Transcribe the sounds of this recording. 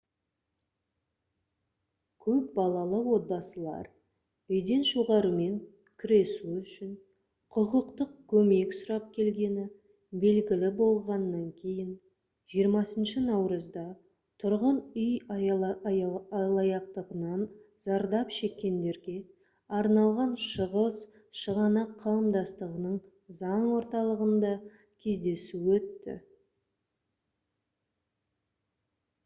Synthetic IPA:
kʲʰɵp̚bɑlˠɑlˠəwo̞t̪̚bɑsəlˠɑ̰ɾ | ʏjd̪e̞nʃuʁɑɾəme̞ŋ | kʲʰʏɾe̞suʏʃɪn | qʰʊqəqt̪əq̚kʲʰɵme̞ksʊɾɑp̚kʲʰe̞lɡʲe̞nɪ | be̞lɡʲɪlɪbo̞lˠʁɑnːɑŋkʲʰe̞jɪn | ʒijəɾmɑsənʃənɑwɾəzd̪ɑ | t̪ʰʊɾʁənʏj | lˠɑjɑqt̪əʁənɑn | zɑɾd̪ɑpʃe̞kʲːe̞nd̪e̞ɾɡʲe̞ | ɑɾnɑlˠʁɑnʃəʁəs | ʃəʁɑnɑqʰːɑwəmd̪ɑst̪əʁənəɴ | zɑɴwo̞ɾt̪ɑlˠəʁənd̪ɑ | kʲʰe̞zd̪e̞suwɵt̪ːɪ̰

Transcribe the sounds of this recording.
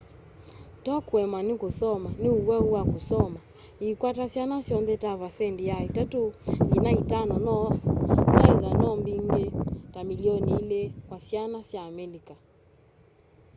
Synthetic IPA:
tɔkwɛmanikusɔmaniuɣwaɣuwakusɔma | ikwatasianasjɔnðɛtavasɛndijaitatuŋɡinaitanɔnɔnɛizanɔmbiŋɡɛtamiliɔniilɛkwasianasjaːmɛlika

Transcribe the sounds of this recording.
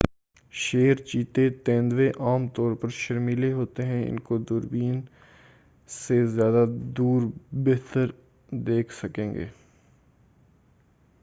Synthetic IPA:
ʃeːɾt͡ʃiːt̪et̪ɛ̃ːnd̪weʔaːmt̪ɔːɾpɐɾʃɐɾmiːleɦoːt̪eɦɛ̃ɪ̰nkod̪ʊɾbiːn | sezjaːd̪ad̪uːɾbeːt̪əɾ | d̪eːkʰsɐkẽːŋɡḛː

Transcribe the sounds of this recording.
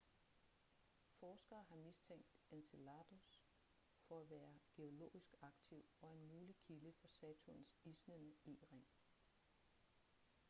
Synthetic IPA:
fɒːsɡ̥ɐːɦɑ̈mist͡sʰeŋ̰̥d̥enselɑ̈d̥us | fɒ̽æʋæːɐɡ̥e̝o̝lo̝̰ːisɡ̥ɑ̈ɡ̥t͡sʰiʊ̰ɒ̽e̝nmuːlikʰiləfɒ̽sɛːt͡sʰunsisnənəiʁɛŋ̰

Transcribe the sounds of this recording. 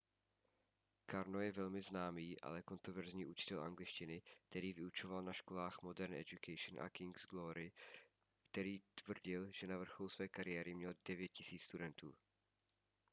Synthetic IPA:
kaɾnojɛvɛlmɪznaːmiːʔa̰lɛko̞nt̪ɾovɛɾzɲiːʔut͡ʃɪ̥t̪ɛlʔa̰ŋɡlɪt͡ʃcɪnɪk̚t̪ɛɾiːvɪut͡ʃovalnaʃkolaːxmo̞dɛɾnɛ̰d͡ʒukʰɛjʃnʔa̰kɪŋɡzɡloɾɪ | kt̪ɛɾiːt̪vr̩ɟɪlʒ̥ɛnavr̩xolusvɛːkaɾɪjɛɾɪmɲɛldɛvjɛt̪̚cɪsiːt͡sst̪udɛnt̪ṵː

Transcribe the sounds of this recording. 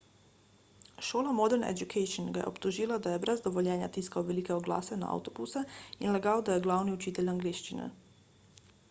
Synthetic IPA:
ʃoːlamɔd̪ɛɾnɛ̰d͡ʒukʰɛjʃɔnɡajɛ̰ɔ̰pt̪uʒiːlad̪ajɛbɾɛzd̪ɔʋɔljɛːnja̰t̪iskawʋɛlikɛɔɡla̰ːsɛna̰ʔa̰wt̪ɔbusɛinlɛɡawd̪ajɛɡlaːwniɔt͡ʃiːt̪ɛlʲaŋɡleːʃt͡ʃinɛ̰

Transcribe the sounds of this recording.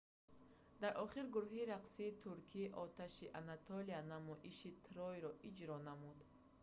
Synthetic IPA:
d̪aɾʔɔχiɾɡuɾuɦiɾaqsiːt̪ʰuɾkʰiːʔɔt̪ʰaʃiʔanat̪ʰɔlianamɔʔiʃit̪ʰɾɔjɾɔʔid͡ʒɾɔnamud̪

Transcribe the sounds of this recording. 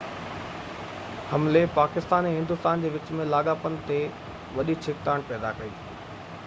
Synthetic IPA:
hɐmlepaːkɪst̪aːnẽɦɪ̃nd̪ʊst̪aːnd͡ʑeːʋɪt͡ɕmẽlaːɠaːpənɪ̆t̪e | ʋɐɗit͡ɕʰɪk̚t̪aːɽ̃pɛːd̪a̰kɐikiː

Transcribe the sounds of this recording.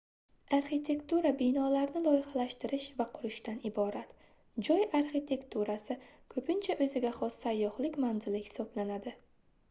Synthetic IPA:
aɾχit̪ʰe̞kt̪uɾabɪjnɒlaɾnɪlˠɒjɪχalaʃt̪ɪɾɪʃvaqʰʊɾɪʃt̪anɪbɒɾat̪ | d͡ʒɒjaɾχit̪ʰe̞kt̪ʰuɾasɪkʰɵpʰɪnt͡ʃʰaʔɵzɪɡʲaχɒssajːɒhlɪkʲmanzɪlɪhɪ̥sɒblanad̪ɪ

